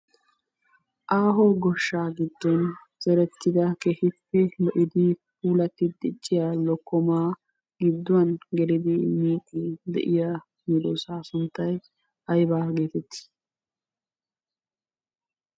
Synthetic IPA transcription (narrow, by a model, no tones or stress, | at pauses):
ʔaːɦɔɡɔʃːaːɡɪd̪ːɔn | zɛɾɛt̪ːɪd̪ɐkehɪpːɛlɔʔɪd̪ɪpuːlɐt̪ːɪt̪ʼɪt͡ʃʼːɪjaːlɔkːɔmaː | ɡɪd̪ːʊwɐnɡɛlɪd̪ɪmiːkʼɪd̪ɛ̰ʔɪja | ɡid̪ɔsaːsʊnt̪ːɐj | ɐjbaːɡeːt̪ɛt̪ːɪ̥